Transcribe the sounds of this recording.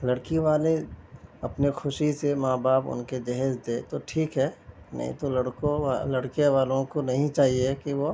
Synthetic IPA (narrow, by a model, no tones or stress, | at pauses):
lɐɽkiʋaːleɐpnexʰʊʃisemaːbaːpʊ̰nked͡ʒɛɦɛːzd̪eːt̪oʈʰiːkɦɛː | nɐ̰ɦḭ̃t̪olɐɽkõlɐɽkijeʋaːlõkonɐɦĩt͡ʃaːɦiekiʋo